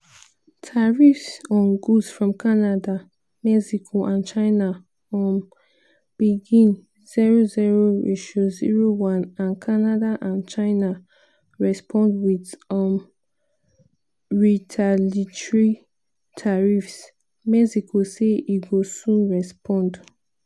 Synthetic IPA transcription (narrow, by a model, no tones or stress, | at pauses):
tʰaɹifsɔ̃nɡusfɹɔ̃mkʰanada | mɛksikʰoʔãnt͡ʃaɪna | ɔ̃m | b̥iɡĩn | z̥iɹoziɹoḭʃozḭɹowãnãnkʰanadaʔãnt͡ʃaɪna | ɹɛspʰɔ̃ndwiðɔm | ɹitʰalitɹi | tʰaɹifs | mɛsikʰoseiɡosũnɹɛspʰɔ̃nd